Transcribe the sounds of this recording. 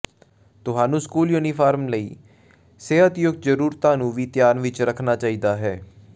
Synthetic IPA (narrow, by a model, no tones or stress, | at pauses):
t̪ʊɦaːnũːskuːljuːniːpʰaːɾmləiː | seːət̪jʊɡd͡ʒəɾuːɾt̪ãːnũːʋiːt̪jaːnʋɪt͡ʃɾəkʰnaːt͡ʃaːiːd̪aːɦɛː